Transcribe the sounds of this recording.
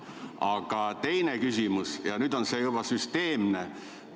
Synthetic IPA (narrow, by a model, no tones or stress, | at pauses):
ɑɡ̥ɑt̪e̞jnekysʲimusjɑnyd̪o̞nsejubɑsyst̪e̞ːmne